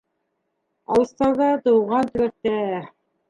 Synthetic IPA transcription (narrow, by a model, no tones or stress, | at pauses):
ɑ̰lˠɤ̆st̪ɑɾðɑt̪ɤ̆wʁɑnt̪ɵ̆βæk̚t̪æ